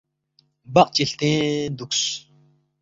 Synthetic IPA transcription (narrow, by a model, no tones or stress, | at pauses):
baq̚t͡ɕiɬt̪ẽːnd̪uks